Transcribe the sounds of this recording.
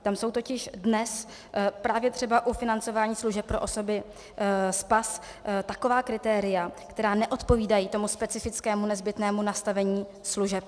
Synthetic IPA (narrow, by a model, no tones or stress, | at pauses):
t̪amso̞wt̪o̞cɪʃdnɛs | pɾaːvjɛt̪r̝̥ɛbaʔufɪnant͡so̞vaːɲiːsluʒɛp̚pːɾo̞ʔo̞so̞bɪ | spas | t̪ako̞vaːkɾɪt̪ɛːɾɪjakt̪ɛɾaːnɛʔo̞t̪po̞viːdajiːt̪o̞muspɛt͡sɪfɪt͡skɛːmunɛzbɪt̪nɛːmunast̪avɛɲiː | sluʒɛp̚